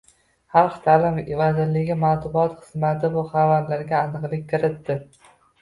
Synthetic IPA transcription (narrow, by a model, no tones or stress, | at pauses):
hɑlqt̪ʰaːlɪmvazɪɾlɪɡʲɪmat̪ʊbɒt̪χɨz̥mat̪ʰɪbʊχavaɾlaɾɡʲaːnɨqlˠɪkʲkʰɪɾɪt̪ːɪ